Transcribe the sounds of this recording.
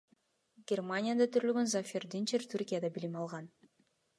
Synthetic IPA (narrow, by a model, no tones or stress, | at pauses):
ɡʲermanʲɪjad̪ɑt̪ʰyɾylɡønzafʲerd̪int͡ʃeɾt̪ʰuɾkʲijad̪ɑbilimɑlˠʁɑn